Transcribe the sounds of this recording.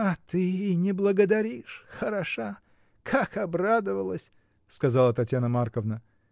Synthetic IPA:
ɐt̪ɨinʲɪblˠəɡəd̪ɐɾʲiʂxəɾɐʂa | kʰakɐbrad̪əvəlˠəsʲ | skɐzalˠət̪ɐtʲjanəmarkəvnə

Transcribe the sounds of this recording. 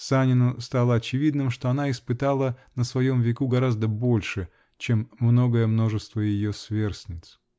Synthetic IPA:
sanʲɪnʊst̪alˠəɐt͡ɕɪvʲid̪nɨmʂt̪o̞ɐnaɪspɨt̪alˠənəsvɐjo̞mvʲɪkuɡɐɾazd̪əbo̞lʲʂɨ | t͡ɕemːno̞ɡəjəmno̞ʐɨst̪vəjɪjosvʲe̞rsʲnʲɪt̪s

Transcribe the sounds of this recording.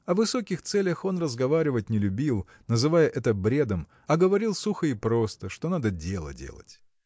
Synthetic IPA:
ɐvɨso̞kʲɪxt̪sɛlʲəxo̞nrəzɡɐvaɾʲɪvətʲnʲɪlʲʉbʲilˠ | nəzɨvajəʔɛt̪əbɾʲe̞d̪əm | ɐɡəvɐɾʲilˠsuxəipɾo̞st̪əʂt̪o̞nad̪ədʲe̞lˠə̰dʲḛlˠə̰tʲ

